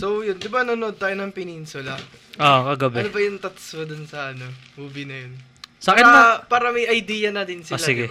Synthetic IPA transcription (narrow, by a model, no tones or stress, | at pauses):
sowjond̪ɪbɐnonʔod̪̚t̪aːjonɐŋpɪninsʊlɐ | ʔokɐɡɐbɛnobɐjʊŋt̪ɐt̪sod̪ʊnsɐʔɐno̞huːbɪnɐjon | sɐkɪt̪ɐpaːɾɐmɐjʔɐjd̪iːjɐnɐd̪ɪnsɪolasɪɡɛ